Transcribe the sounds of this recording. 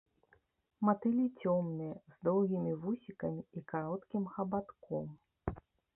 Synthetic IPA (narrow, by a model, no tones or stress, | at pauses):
mat̪ɨlʲit͡sʲɔmnɨjɐzd̪ɔwɣʲimʲivusʲikɐmʲiːkaɾɔt̪kʲimxɐbat̪kɔm